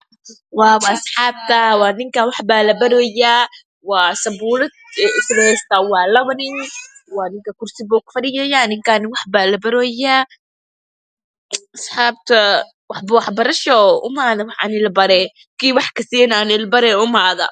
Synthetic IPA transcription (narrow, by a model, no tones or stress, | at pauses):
waːwsħɑːb̚t̪ʰɐwaːnɪŋkɐwɑħbaːlɐbɐɾɔːjaː | waːsɐbuːlɐd̪ɛɪslɐhɛst̪awɑːlɐwɐnɪnwaːnɪŋkɐkʊrsɪbɔːkfɐɽɪjɛjaːnɪŋkanɪwɑħbaːlɐbɐɾɔːja | ʔɐsħɑːb̚t̪ʰɐ | wɑħbɐwɑħbɐɾɐʃɔʊ̰maːðɐwɑħa̰nɪlbɐɾɛ | kiːwɑħkɐsiɛnanɪlbɐɾɛʊmaːðɐ̰